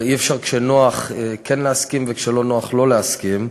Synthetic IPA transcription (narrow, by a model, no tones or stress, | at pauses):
iɛfʃaʁkʃenoaχkʰɛnleaskimvekʃelonoaχlo̞leaskim